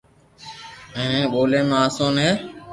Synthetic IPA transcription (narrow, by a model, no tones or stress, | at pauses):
ẽːnẽːɓoːlẽːmẽːaːsõːnẽː